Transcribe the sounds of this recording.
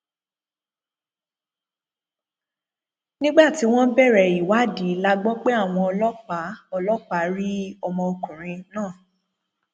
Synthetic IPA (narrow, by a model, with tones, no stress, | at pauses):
nĩ˦ɡ͡ba˦˨ti˨˦w̃ɔ̃˦bɛ˦˨ɾɛ˨i˨wa˨˦˨di˨˦la˦ɡ͡bɔ˦k͡pe˦a˦˨w̃ɔ̃˧ɔ˧lɔ˦k͡pa˨˦ɔ˧lɔ˦k͡pa˦ɾi˦ɔ˧mɔ̃˧o˧kũ˨ɾ̃ĩ˧nãː˦˨